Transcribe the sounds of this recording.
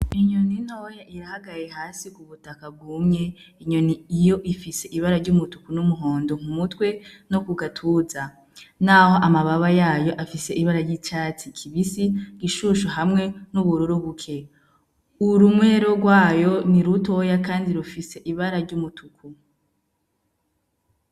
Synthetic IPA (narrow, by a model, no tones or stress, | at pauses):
iɲonin̥hojaʔijahaɡajeɦaːsikuβutakab̚ɡuːmɲe̞iɲo̞niːjo̞ʔifise̞ʔiβaɾaɾɟumutukunumuɦo̞ːndoŋ̥umutwe̞no̞kuɡatʰuːza | naho̞ʔamaβaβajaːjo̞ʔafise̞ʔiβaɾaɾjiːt͡ʃaːt͡sikʰiβisiɡ̥iʃuʃoɦamŋe̞nuβuɾuɾuβukʰe̞ | uɾumwe̞ɾo̞ɡwaːjo̞niɾuto̞jakaːndiɾufise̞ʔiβaɾaɾɟumutʰukʰu